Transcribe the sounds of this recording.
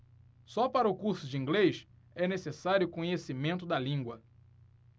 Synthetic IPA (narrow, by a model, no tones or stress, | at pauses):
sɔpaɾɐʊkuɾsʊd͡ʒiĩŋɡlejʃ | ɛnesesaɾjʊkõɲesimẽnt̪ʊd̪ɐlĩɡwɐ